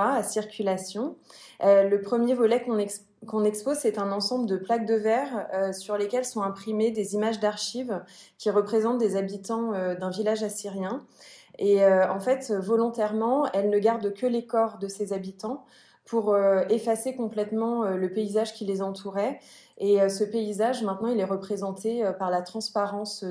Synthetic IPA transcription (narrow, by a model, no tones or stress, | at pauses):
aasiʁkʲylasjɔ̃øləpχəmjevɔlɛkɔ̃n | kɔ̃nɛkspozsɛt̪ɛ̃nɑ̃sɑ̃bləd̪əplaɡ̚d̪əvɛʁøsyʁlekʲɛlsɔ̃ɛ̃pχimed̪ezimaʒd̪aʁʃivkʲiʁəpχezɑ̃t̪̚d̪ezabit̪ɑ̃ød̪ɛ̃vilaʒasiʁjɛ̃eøɑ̃fɛt̪øvɔlɔ̃t̪ɛʁmɑ̃ɛlnəɡaʁd̪kəlekɔʁd̪əsezabit̪ɑ̃ | pʰuʁøefasekɔ̃plɛt̪mɑ̃øləpeizaʒkʲilezɑ̃t̪ʰuʁɛ | eøsəpeizaʒmɛ̃t̪nɑ̃ilɛʁəpχezɑ̃t̪eøpaʁlat̪χɑ̃spaʁɑ̃s